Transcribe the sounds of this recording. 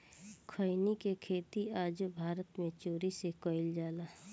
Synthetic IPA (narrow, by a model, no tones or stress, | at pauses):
kʰəɪnikekʰeːt̪iaːd͡ʒbʱaːɾət̪mẽt͡ʃoːɾisekɔɪld͡ʒaːlaː